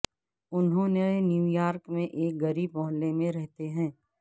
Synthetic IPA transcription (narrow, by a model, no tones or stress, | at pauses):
ʊnɦõːnenjuːjaːɾkmẽʔeːk̚ɡɐɾiːbmɔɦlːemẽɾɛɦt̪eɦɛ̃ː